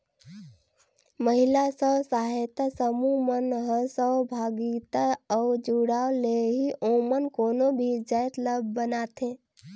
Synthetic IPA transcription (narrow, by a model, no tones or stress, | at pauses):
məɦilasəsaɦet̪asəmumənɦəsəbʱaɡit̪aɔʊd͡ʒuɽaoleɦiʔomənkoːnobʱid͡ʒəjt̪ləbʱːənat̪ẽ